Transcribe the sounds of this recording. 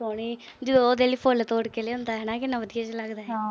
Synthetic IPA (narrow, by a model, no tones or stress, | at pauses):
soːniː | d͡ʒoːd̪eːliːpʰolt̪oːɽkeːleːʊ̃nd̪aːɦɛːnãːkɪnːãʋəd̪ijaːt͡ʃləɡd̪aːɦɛː